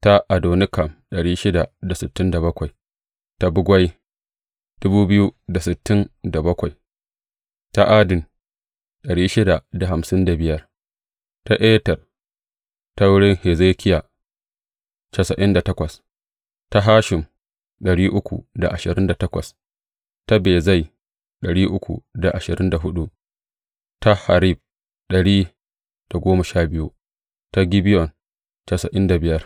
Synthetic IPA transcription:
ta˦ʔa˨doː˨nɪ˦kɐ˨mɗɐ˨ɽiː˦ʃɪ˦da˨da˨sɪ˨tːɪ˦nda˨bɐ˦kʷa˨j | ta˦bʊ˦ɡʷɐ˦j | d̥ʊ˦buː˦bɪ˦ju˦da˨sɪ˨tːɪ˦nda˨bɐ˦kʷa˨j | ta˦ʔa˦dɪ˨n | ɗɐ˨ɽiː˦ʃɪ˦da˨da˨ɦa˨msɪ˦nda˨bɪ˦jɐ˦r | ta˦ʔeː˦tɐ˨r | ta˦wʊ˦ɽɪ˦ŋhe˨zeː˦kʲɪ˦jaː˨ | tɐ˨sɐ˨ʔɪ˦nda˨tɐ˦kʷɐ˨s | ta˦ɦaː˦ʃɪ˨m | ɗɐ˨ɽiː˦ʔʊ˦kʷṵ˨da˨ʔa˨ʃɪ˨ɾɪ˦nda˨tɐ˦kʷɐ̰˨s | ta˦beː˨za˦˨j | ɗɐ˨ɽiː˦ʔʊ˦kʷṵ˨da˨ʔa˨ʃɪ˨ɾɪ˦nda˨ɦʊ˦ɗu˦ʔ | ta˦ha˨ɾi˦b̚ | ɗɐ˨ɽiː˦ | d̥a˨ɡʷoː˦mɐ˨ʃaː˦bɪ˦ju˦ | ta˦ɡʲi˦bɪ˦jɔ˨n | tɐ˨sɐ˨ʔɪ˦nda˨bɪ˨jɐ˦r

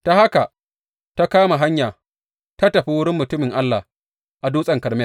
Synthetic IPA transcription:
ta˨ha˦ka˨ | ta˦kaː˦ma˨ɦa˦ɲjaː˨ | ta˦tɐ˨ɸi˦wʊ˦ɽɪ˦mːʊ˨tʊ˦mɪ˨ŋʔa˦lːa˨ | ʔa˨duː˦sʼɐ˨ŋkɐ˨ɾmɛ˦l

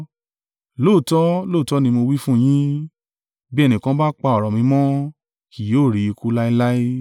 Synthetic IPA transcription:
lo˦˨tɔ˦loː˦˨tɔ˦nĩ˧mo˧wi˦fũ˦˨j̃ĩ˦ | bi˦ɛ˦˧nĩ˨kã˧˦ba˦k͡pa˧ɔ˨ɾɔ˨mĩ˧˦mɔ̃˦ | ki˨joː˦˨ɾi˨˧i˧ku˦la˦i˦la˦i˦

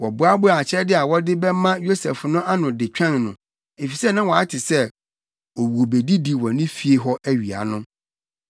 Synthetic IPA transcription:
wɔ˨bʊ˦a˦bʊ˦˨a˨t͡ɕʰɛ˦dɪ˦a˨wɔ˦dɪ˦bɛ˦mã˦jo˦sɛ˨fnʊ̃˦ʔa˦nʊ̃˨dɪ˨t͡ɕᶣã˦˨nnʊ̃˨ | e˨fi˨sɛ˦nã˦wɔ˨a˦tʰɪ˨sɛ˦ | wo˨wu˨o˨be˨di˦di˦wɔ˨nɪ̃˦fi˦e˦ɦɔ˦ʔæ˦ɥi˨a̰˨nʊ̃˦

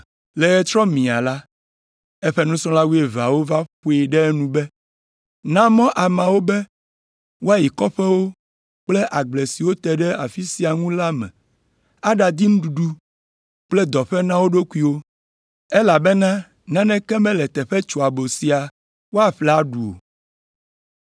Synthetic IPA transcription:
lɛ˨ɣɛ˨t̪ɾɔ˦mĩ˨a˨la˦ | ɛ˦ɸɛ˦nũ˦sɔ̃˦la˦wu˦e˨va˨wo˦va˦ɸu˦e˨ɖɛ˦nũ˦bɛ˦ | nã˦mɔ̃˦ʔa˨mã˨wo˦bɛ˦ | wo˦a˦ji˨kɔ˦ɸɛ˦wo˦ | k͡plɛ˦ʔa˨ɡ͡ble˨si˨wo˦t̪ɛ˨ɖɛ˦a˨fi˦si˨a˨ŋũ˦la˦mɛ̰̃˨ | a˦ɖa˨d̪i˦nũ˦ɖu˨ɖu˦ | k͡plɛ˦d̪ɔ˨ɸɛ˦nã˦wo˦ɖo˦ku˦i˦wo˦ | e˦la˨bɛ˦nã˦ | nã˦nɛ̃˦kɛ˦mɛ̃˦lɛ˨t̪ɛ˨ɸɛ˦t͡ʃo˨a˨bo˨si˨a˨ | wo˦a˨ɸlɛ˨˦a˦ɖu˨o̰˨

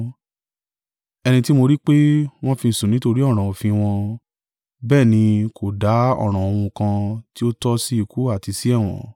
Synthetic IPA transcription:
ɛ˧nĩ˧ti˦mo˧ɾi˦k͡pe˦w̃ɔ̃˦fĩ˧˨sũ˨nĩ˨˦to˧ɾi˦ɔ˦˨ɾ̃ã˨o˨fĩ˧w̃ɔ̃˧ | bɛː˦˨nĩ˧kʰo˨da˨˦ɔ̰˦˨ɾ̃ã˨o˨˧w̃ũ˧kã˧ti˦o˦tɔ˦si˦i˨ku˨˦a˦˨ti˧si˦ɛ˦˨w̃ɔ̰̃˨

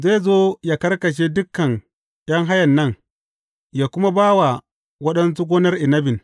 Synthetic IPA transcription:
zaː˦jzoː˦jaː˨kɐ˦rkɐ˨ʃ̬e˦dʊ˦kːɐ˨n | jɐ˦ŋɦa˦jɐ˨nːɐ˦˨ŋ | jaː˨kʷʊ˦ma˦baː˦wa˨ | wɐ˦ɗɐ˦nsu˦ɡoː˦nɐ˦rʔɪ˨nɐ˦bɪ˨n

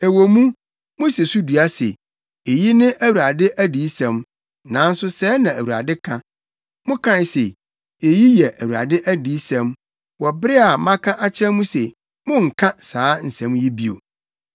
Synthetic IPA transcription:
e˨wo˨mũ˦ | mʊ̃˦se˨su˦du˨a˦sɛ̰˨ | e˨ji˦nɪ̃˦ʔæ˦wu˨ɾa˨dɪ˦ʔæ˦diː˨˦sɛ̃˨m | nã˨˦n̩˦sʊ˦sɛː˦nã˨æ˨wu˨ɾa̰˨dɪ˦kʰã˦ | mʊ̃˦kʰã˦˨sɛ˨ | e˨ji˦jɛ˨ʔæ˨wu˨ɾa̰˨dɪ˦ʔæ˦diː˨˦sɛ̃˦m | wɔ˨bɾɪ˦a˨mã˦kʰã˦ʔa˦t͡ɕʰɪ˦ɾɛ̃˦mũ˦sɛ˨ | mʊ̃˦ŋ̩˨kʰã˦saː˨˦n̩˨sɛ̃˨˦mji˦bi˦o̰˨

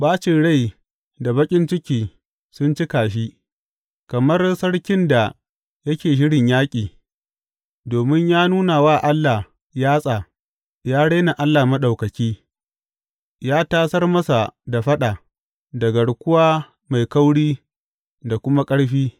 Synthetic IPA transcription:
baː˦t͡ʃɪ˨ɽa˦˨j | da˨bɐ˦kʲʼɪ˦nt͡ʃɪ˦kʲiː˨ | sʊ˦nt͡ʃɪ˦kaː˨ʃ̬i˦ | kɐ˨mɐ˦rsɐ˦ɽkʲɪ˦nda˨ | jɐ˦kʲeː˨ʃ̬ɪ˦ɽɪ˨ɲjaː˦kʲʼiː˨ | doː˨mɪ˦ɲjaː˦nuː˦na˨waː˦˨ʔa˦lːa˨ | jaː˦sʼaː˨ | jaː˦ɽa˦na˨ʔa˦lːaː˨mɐ˦ɗa˨wkɐ˨kʲiː˦ | jaː˦taː˦sɐ˦rmɐ˦sa˨da˨ɸɐ˦ɗaː˨ | dɐ˨ɡɐ˨ɽkʷʊ˦waː˦ | ma˨jka˦wɽiː˦ | da˨kʷʊ˦ma˦kʼɐ˦ɽɸiː˦

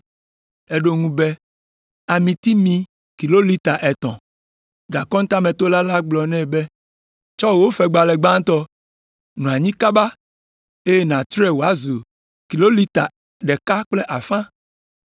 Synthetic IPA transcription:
e˦ɖo˦ŋũ˦bɛ˦ | a˨mĩ˨t̪i˦mĩ˨ | ki˨lo˦li˦t̪a˨ʔɛ˨t̪ɔ̰̃˨ | ɡa˨kɔ̃˦ŋ̩˦t̪a˦mɛ̃˨t̪o˦la˦la˦ɡ͡blɔ˨nɛ̃˦bɛ˦ | t͡ʃɔ˦˨wo˦fɛ˨ɡ͡ba˨lɛ˨ɡ͡bã˦ŋ˦t̪ɔ˦ | nũ˨a˨ɲĩ˦ka˦ba˦ | e˦je˦nã˨t̪ɾɛ˦˨wo˨a˦zu˨ | ki˨lo˦li˦t̪a̰˨ | ɖɛ˨ka˦k͡plɛ˦ʔa˨fã˦

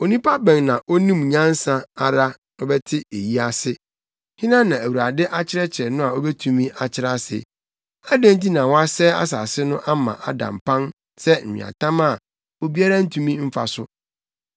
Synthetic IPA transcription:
o˨nĩ˦pʰa˦bɛ̃˨ŋnã˨ʔo˦nĩ˦mɲã˦n˦sã˦a˨ɾa˦ | ɔ˦bɛ˦tʰɪ˦e˨ji˦a˦sɪ˦ | hɪ̃˦nã˦nã˨æ˨wu˨ɾa˨dɪ˦ʔa˦t͡ɕʰɪ˦ɾɛ˦t͡ɕʰɪ˨ɛ˨nʊ̃˦a˨o˦bɛ˦tʰũ˨mĩ˦ʔa˨t͡ɕʰɪ˦ɾa˦sɪ̰˨ | a˦dæ̃˦n˦t̬i˦nã˨wɔ˦a˦sɛ˦a̰˦sa˨sɪ˦nʊ̃˦ʔa˦mã̰˨ʔa˦dã̰˨m˨pʰã˦n | sɛ˦m̩˨mɪ̰̃˨a̰˨tʰã˦ma˦˨ | o˦bi˦a˦ɾa˦n̩˦tʰũ˦mĩ˦m̩˦fa̰˨sʊ˦

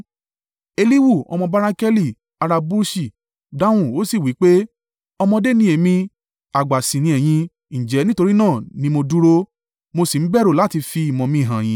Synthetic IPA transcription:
e˧li˦wu˦˨ɔ̰˧mɔ̃˧ba˧ɾa˧˦kɛ˦li˦˨ | a˨˧ɾa˧bu˦ʃi˦˨ | da˦w̃ũ˦˨o˦si˦˨wi˨˦k͡pe˦ | ɔ˧mɔ̃˧de˦nĩ˦e˨mĩ˧ | a˨ɡ͡ba˨sĩ˨nĩ˧ɛ˨j̃ĩ˧ | ñ̩˨d͡ʒɛ˨˦nĩ˦to˧ɾi˦nãː˦˨nĩ˧˦mo˧du˦ɾo˧ | mo˧si˨n̩˦bɛ˦˨ɾo˦˨la˦ti˧fi˧i˨mɔ̃˨mĩ˧˦˨ɦã˨j̃ĩ˨˧˦

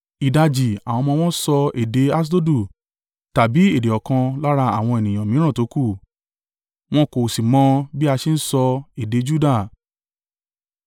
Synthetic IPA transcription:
i˨da˧d͡ʒi˨a˨w̃ɔ̃˧mɔ̃˧w̃ɔ̃˦sɔ˧e˨de˨˦a˦s̬do˦du˦˨ | ta˨bi˨˦e˦˨de˨ɔ˨kã˧la˦ɾa˧a̰˦˨w̃ɔ̃˧e˨nĩ˨j̃ã˨mĩ˨˦ɾã˦˨to˨˦ku˦˨ | w̃ɔ̃˦ko˨si˨mɔ̃˧˦bi˦a˧ʃe˧n̩˦sɔ˧e˨de˨˦d͡ʒu˦da˦˨

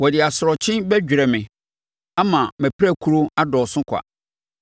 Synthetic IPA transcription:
wɔ˨dɪ˨a˨sʊ˨ɾɔ˨t͡ɕʰɪ̃˦bɛ˦d͡ʑᶣi˨ɾɛ˨mɪ̃˨ | a˦mã˨mɛ̃˨pʰɾæ˦˨kʰu˦ɾo˦a˦dɔ˨sʊ̃˦kʰʷa̰˨

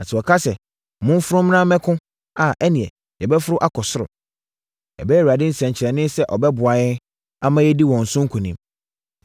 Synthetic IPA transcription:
nã˨sʰɪ˨ɔ˨kʰa˦sɛ˨ | mʊ̃˦m˦fʊ˦ɾʊ˦m˦nã˦mɛ̃˦kʰʊ̃˦ | a˨ʔɛ˦nɪ̃˨ɛ˨ | jɛ˨bɛ˦fʊ˦ɾʊ˦ʔa˦kʰɔ˨sʊ˦ɾʊ̰˨ | ɛ̰˨bɛ˦ɛ˦˨u˨ɾa˨dɪ˦n̩˦˨sɛ̃˨ɲ˨t͡ɕʰɪ˨ɾɛ˨nɪ̃˦sɛ˦ʔɔ˨bɛ˦bʊ˨a˨ɪ˦ | a˦mã˦jɛ˦di˦wɔ̃˨n̩˨sʊ̃˦ŋ̩˦kʰʊ̃˨nĩ˦m

